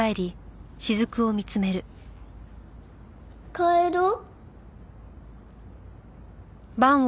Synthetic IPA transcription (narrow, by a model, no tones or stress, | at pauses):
ae̞ɾʲiɕizɨkɯ̟o̞mʲit͡sɨme̞ɾɯ̟ | kaeɾo | bãɰ̃